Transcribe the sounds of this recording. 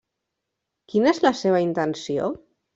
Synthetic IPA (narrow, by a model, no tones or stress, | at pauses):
kinəezləseβəint̪ənsio̰